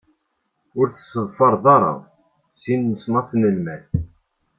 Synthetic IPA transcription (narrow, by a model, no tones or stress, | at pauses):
ʊɾθəsːəðˤfɑɾˤðˤɑɾˤɑ̰ | sinːəsnɑθnəlmæθ